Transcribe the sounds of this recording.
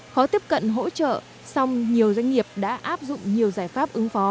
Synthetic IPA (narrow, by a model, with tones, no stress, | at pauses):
xɔ˨˦t̪i˦˥əp̚kə̰˧˨nɦo̰˧˥t͡ɕə̰ː˧˨ | sa˧wŋ͡mɲi˨˩əwzwa˧jŋ̟ŋi˨˩əp̚ɗa̰ː˧˥ʔaː˦˥p̚zʊ̰˧˨ŋ͡mɲi˨˩əwzaː˧˩jfaː˦˥p̚ʔɨ˨˦ŋfɔ˨˦